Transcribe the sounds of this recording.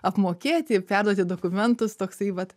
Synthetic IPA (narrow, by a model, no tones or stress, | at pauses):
ɐpmoːkʲeːt̪ʲɪpʲæɾd̪uoɔt̪ʲɪd̪oːkʊmʲɛnt̪ʊst̪oːksɐɪʋɐt̪